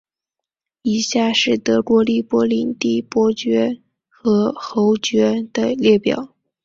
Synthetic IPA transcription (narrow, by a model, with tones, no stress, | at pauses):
i˨˩ɕja˥˩˧ʂɻ̩˥˩t̪ɤ˧˥kwɔ˧˥li˥˩pwɔ˧˥li˧˥nt̪i˥˩pwɔ˧˥t͡ɕɥɛ˧˥ | xɤ˧˥xo˧˥ʊt͡ɕɥɛ˧˥d̪̥ə˨ljɛ˥˩pjɑ̰˨˩˦ʊ